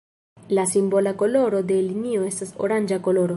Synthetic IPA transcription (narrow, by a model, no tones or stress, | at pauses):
lasimbo̞lako̞lo̞ɾo̞d̪e̞linio̞e̞staso̰ɾand͡ʒako̞lo̞ɾo